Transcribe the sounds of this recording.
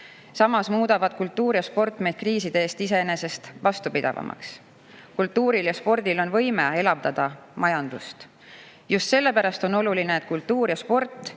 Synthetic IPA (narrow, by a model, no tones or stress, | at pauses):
sɑmɑsmuːd̪̥ɑvɑd̪̥̚kult̪ːˑuːɾjɑspo̞rt̪ˑme̞jd̪̥kriːsid̪eeːst̪ise̞ene̞se̞st̪vɑst̪upid̪̥ɑ̰vɑ̰mʔɑ̰ks | kult̪ːuːɾiljɑspo̞rd̪̥ilo̞nvɤjmee̞lɑbd̪̥ɑd̪̥ɑ | mɑjɑnd̪̥ust̪ | just̪se̞lːe̞pæɾɑst̪o̞no̞lulineet̪ˑkult̪ːuːɾjɑspo̞rt̪ːˑ